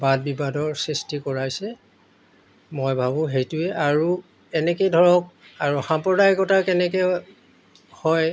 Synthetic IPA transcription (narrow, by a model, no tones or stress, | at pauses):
bad̚bibadɔɹsistikɔɹajsɛ | mɔjbʱabʊ̃ɦejtuɛʔaɹu | ɛnɛkejdʱɔɹɔk̚ | aɹuxampɹɔdajkɔtakɛnɛkɛ | hɔj